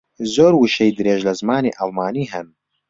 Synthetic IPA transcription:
zoːɾwɨʃɛjd̪ɨɾeːʒlɐzmaːnḭːʔɑlˠmaːniːɦɛn

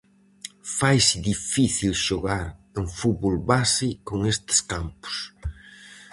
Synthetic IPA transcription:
fajsɪðifiθilʃoɣaɾ | eŋfut̪βolβasikoŋest̪ɪ̥skampʊ̥s

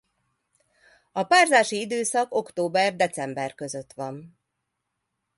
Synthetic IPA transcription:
ɒpaːrzaːʃiid̪øːsɒko̞kt̪oːbɛrd̪ɛt̪sɛmbɛrkø̞zø̞t̪ʋɒn

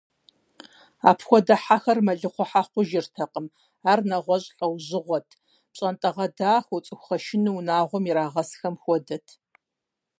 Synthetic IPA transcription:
a̰ːpʰxʷɔdɐħaxɐrmɐɮɨqʷɔħaːqʷʊʒɪrtʰɐqəm | aːrnɐʁʷɔɕʼɬʼɐwʑɪʁʷɔtʰ | pɕʼɐntʼɐʁɐdaːxʷɔt͡sʼɨxʷχɐʃɪnɨwunaːʁʷɔmiɾaːʁɐsxɐmxʷɔdɐtʰ

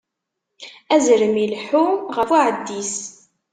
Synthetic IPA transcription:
æzɾəmilħuʁəfuʕəd̪ːis

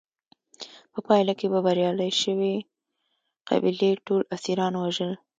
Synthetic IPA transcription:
pəpɑjlakebabaɾjɑlajʃəwe | qa̰bileʈolasiɾɑnwaʒəl

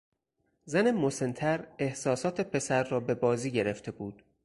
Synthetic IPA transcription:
zænemose̞nt̪ʰæɾe̞hsɒːsɒːt̪ʰe̞pʰe̞sæɾːɒːbe̞bɒːziːɟe̞ɾeft̪ʰe̞buːd̪̥

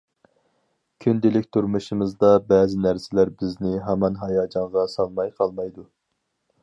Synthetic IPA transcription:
kʲʰynd̪ɪlɪkʲt̪ʰuɾmuʃimɨzd̪ɑbɛːzɪnæɾsɪlæɾbɪznɪɦæmɑnɦɑjɑːd͡ʒɑɴʁɑsɑlˠmɑjqʰɑlˠmɑjd̪u

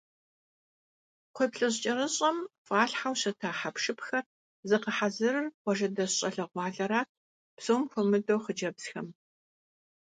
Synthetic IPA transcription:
qʷɔpɬʼɨɕt͡ʃʼɐrɨɕʼɐmfʼaːɬħawɕɐtʰaːħapʂɨpxɐr | zɨqəħazɨrɨrqʷɔʒɐdɐɕɕʼɐɬɐʁʷɑːɮɐɾaːt̚ʰ | psowmxʷʊmɨdowχəd͡ʒɐbsxɐm

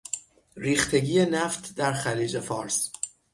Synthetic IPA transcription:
ɾiːxt̪ʰe̞ɟiːe̞næft̪ʰd̪æɾxæliːd͡ʒe̞fɒːɾs

